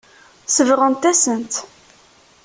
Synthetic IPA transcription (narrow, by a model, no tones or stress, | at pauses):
səvʁənt̪æsənt̪